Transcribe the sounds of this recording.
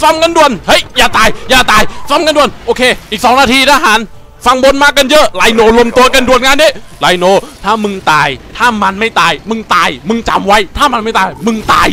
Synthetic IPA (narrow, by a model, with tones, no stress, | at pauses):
fa˧˥mka˧˨ndu˧˩ənhɤ˦˥jːaː˨˩t̪aː˧˩jjaː˨˩t̪aː˧˩jfa˧˥mka˧ndu˧˩ənʔoː˧kʰeː˧ʔiː˨˩k̚sɔː˨˦ŋnaː˧t̪ʰiː˧t̪aː˧˩ɦaː˨˩˦n | fa˧ŋbo˧nmaː˥˩kːa˧njɤ˦˥ʔlaː˧jnoː˧˩lo˧mt̪u˧ɐka˧ndu˧˩ənŋaː˧˥ndiː˦˥˩laː˧jnoː˧t̪ʰaː˥˩mɯ˧ŋt̪aː˧jt̪ʰaː˥˩ma˧nma˥˩jt̪aː˧jmɯ˧ŋt̪aː˧jmɯ˧ŋt͡ɕa̰˧mwa˦˥jt̪ʰaː˥˩ma˧nma˥˩t̪aː˧˩jmɯ˧ŋt̪a̰ː˧˩j